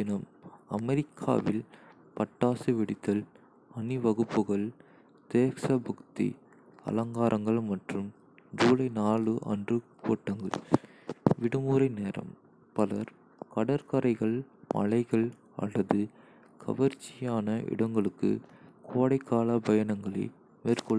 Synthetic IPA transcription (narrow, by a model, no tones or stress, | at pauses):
ɪnɐmɐmɛɾɪkʰːa̰ːʋɪl | pɐʈːaːsɯʋɪɽɪt̪ːɐl | ɐniʋɐɣɯpːɯɣɐɭ | t̪eːksɐbɐkt̪ḭ | ɐ̰lɐŋɡaːɾʔɐŋɡɐɭmɐʈrɯm | d͡ʒuːlɐɪnaːlɯʔɐ̰ndrɯkoːʈːɐŋɡɐ̰ɭ | ʋɪɽɯmuːɾɐɪneːɾɐ̰m | pɐlɐɾ | kɐɽɐɾkɐɾɐɪɣɐɭmɐ̰lɐɪɣɐɭ | ɐ̰lːɐðɯ | kʰɐ̰ʋɐɾt͡ʃːɪjaːnɐʔɪ̰ɽɐŋɡɐɭɯkːɯ̰kʰoːɽɐɪkːaːlɐbɐjɐnɐŋɡɐɭɐ̰ɪ | meːɾkɔɭː